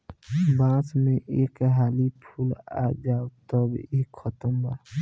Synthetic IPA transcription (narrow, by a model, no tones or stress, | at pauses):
bãːt͡ʃmẽʔeːkɦaːlipʰuːla̰ːd͡ʒaːot̪əbekʰːət̪əmba